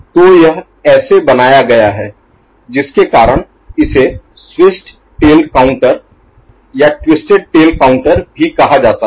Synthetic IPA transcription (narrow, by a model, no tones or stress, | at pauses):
t̪oːjɐɦ | ɛːsebɐnaːjaɡɐjaɦɛː | d͡ʒɪskekaːɾəɽ̃ | ɪse | swɪsʈ | ʈeːlkaːʊ̃ɳʈəɾ | jaʈwɪsʈeɖ̚ʈeːlkaːʊ̃ɳʈəɾbʱikɐɦad͡ʒaːt̪a